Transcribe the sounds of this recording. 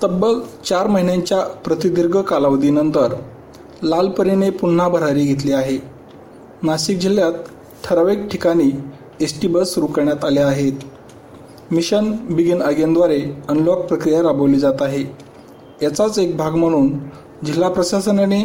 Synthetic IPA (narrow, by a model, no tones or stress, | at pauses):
t̪əbəkt͡ɕaɾməɦinjaɲt͡ɕjapɾət̪id̪iɾɡəkalaʋd̪inənt̪əɾ | lalpəɾinepun̤ːabʱəɾaɾiːɡʱet̪̬liːaɦe | naɕik̚d͡ʑiljat̪ | ʈʰːəɾaʋek̚ʈʰikaɽ̃iː | esʈibəsuɾukəɾɳjat̪aleaɦet̪ | miɕənbiɡinəɡjand̪ʋaɾeənlok̚pɾəkɾijaɾabəʋliːd͡zat̪aɦe | jat͡sat͡sek̚bʱaɡm̤əɽ̃uːn | d͡ʑilːapɾəɕasənane